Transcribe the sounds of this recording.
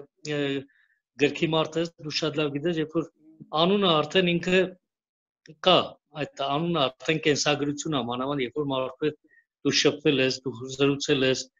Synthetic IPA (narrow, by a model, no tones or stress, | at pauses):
ɡəɾkʰimɑɾt̪ʰɛsd̪ukʰʃɑt̪lɑvɡit̪ɛsjɛfɔɾ | ɑnunəɑɾt̪ʰɛniŋkʰə | kɑ | ɑjt̪ʰɑnunəɑɾt̪ʰɛnkɛnsɑɡɾut͡sʰjunɑmɑnɑvɑnd̪jɛɾfɔɾmɑɾt̪ʰɛt͡s | d̪̥uʃəpʰvɛlɛsd̪uzəɾut͡sʰɛlɛs